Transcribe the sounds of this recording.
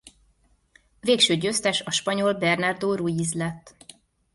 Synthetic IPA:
veːkʃøːɟøːst̪ɛʃɒʃpɒɲo̞lbɛrnɒrd̪oːɾujizlɛt̪ː

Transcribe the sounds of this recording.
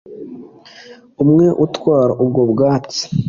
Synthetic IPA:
umŋeʔutkwaːɾaʔubɡobɡaːt͡se̥

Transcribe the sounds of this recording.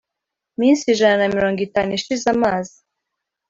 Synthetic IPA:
minsiʒananamiɾo̞ːŋɡitaːnuiʃizamaːzi

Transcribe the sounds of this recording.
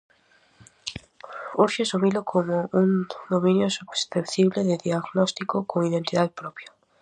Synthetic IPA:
uɾʃesumilʊkʰomʊuŋd̪omĩnjosuβsθept̪iβleðɪðiaɣnɔst̪ikokoŋiðẽnt̪iðaðepɾɔpja

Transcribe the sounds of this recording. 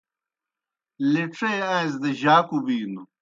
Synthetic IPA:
liʈ͡ʂʰejãĩz̬d̪ɐʑaːkubiːnu

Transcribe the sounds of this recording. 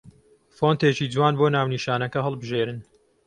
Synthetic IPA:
foːnt̪eːt͡ʃiːd͡zwaːnboːnaːwniʃaːnɐkɐɦɐlˠbɨʒeːɾɨn

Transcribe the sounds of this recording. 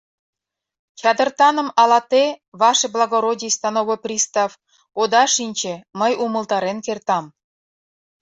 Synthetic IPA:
t͡ɕɑd̪ɤ̆rt̪ɑnɤ̆mɑlˠɑt̪eβɑʂĕblˠɑɡoɾodʲist̪ɑnoβŏprʲist̪ɑf | od̪ɑʂinʲt͡ɕĕmə̆jumɤ̆lˠt̪ɑɾʲenkʲert̪ɑm

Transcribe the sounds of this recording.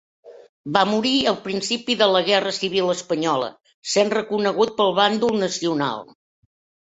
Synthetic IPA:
bamuɾiəlˠpɾinsipiðələɣɛrəsiβ̞iləspəɲɔlə̰ | senrəkunəɣut̪̚pəlˠβand̪ulˠnəsiuna̰lˠ

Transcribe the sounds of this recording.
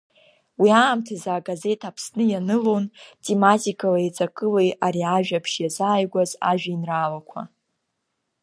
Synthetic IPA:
wiaːmtʰazaːɡaze̞tʰapʰsnɨjanɨlontʼematʼikʼalaet͡sʼakʼɨlejaɾiaʒᶣapʰʂjazaːjɡʷaza̰ʒᶣainraːlakʷʰa̰

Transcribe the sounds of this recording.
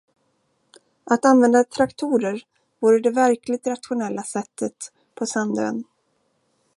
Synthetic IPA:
ʔat̪anvɛnd̪at̪ʰɾakt̪ʰuːɾəɾ | vuːɾəd̪ɛvæɾkʰlɪɡ̚t̪ɾat̪ɧʊnɛlːasɛt̪ʰːət̪ | pʰɔsɛnd̪ə̰n

